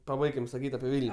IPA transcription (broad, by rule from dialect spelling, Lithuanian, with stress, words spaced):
pɐˈbɐɪkʲɪm sɐˈkʲiːtʲ ɐpʲɪ ˈʋʲɪlʲnʲ